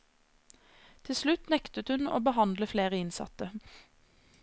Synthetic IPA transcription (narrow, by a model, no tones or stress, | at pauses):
t̪ʰɪlslʉt̪nɛkt̪ət̪hʉno̰ːbəhɑnd̪ləfleːʁəɪnsɑ̰t̪ə